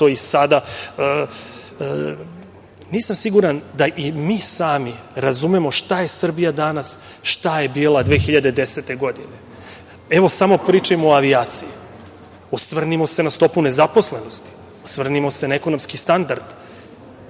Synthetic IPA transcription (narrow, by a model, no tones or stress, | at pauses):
t̪oisad̪aə | niːsamsiɡuɾand̪aʔimiːsaːmiɾazumemo̞ʃt̪aje̞sr̩bijad̪anas | ʃt̪aje̞biːlˠad̪ʋeːxiʎad̪e̞d̪ese̞t̪e̞ɡo̞d̪ine̞ | eʋo̞samo̞pɾiːt͡ʃaemooaʋiaːt̪siji | osʋr̩nimo̞se̞nast̪o̞pune̞zapo̞sle̞no̞st̪i̥ | osvr̩nimo̞se̞naeko̞no̞mskist̪and̪aɾd̪̥